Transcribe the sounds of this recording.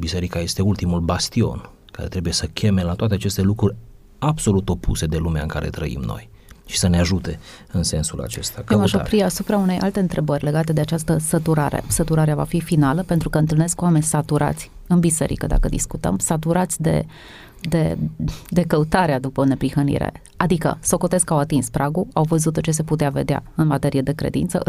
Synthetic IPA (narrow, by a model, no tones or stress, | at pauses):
bise̞ɾikaje̞st̪e̞ult̪imulbast̪io̞̰n | kaɾe̞t̪ɾe̞buje̞səkʰʲe̞me̞lat̪oat̪eat͡ʃe̞st̪e̞lukɾurʲ | abso̞lut̪o̞pʰṵse̞d̪e̞lumea̰ɨŋka̰ɾe̞̰t̪ɾə̰ḭmno̞̰j | ʃi̥səneaʒut̪e̞ | ɨnse̞nsula̰t͡ʃe̞st̪amaʃopɾiasupɾaune̞jʔalt̪e̞ɨnt̪ɾe̞bərʲle̞ɡat̪e̞d̪e̞at͡ʃast̪əsət̪uɾa̰ɾḛsət̪uɾaɾeava̰fifinaləpe̞nt̪ɾukəɨnt̪ɨlneskuwame̞nʲsat̪uɾa̰t̪sʲ | ɨnbise̞̰ɾḭkəd̪a̰kəd̪ḭskut̪ə̰msat̪uɾat̪sʲd̪e̞̰ | d̪e̞d̪e̞kəut̪aɾead̪upəne̞pɾihənḭɾḛ | ad̪ikə̰soko̞t̪e̞zkawat̪inspɾaɡuawvəzut̪ːot͡ʃe̞se̞put̪eave̞̰d̪ea̰ɨnmat̪e̞ɾijed̪e̞kɾe̞̰d̪ḭnt̪sə̰ʔ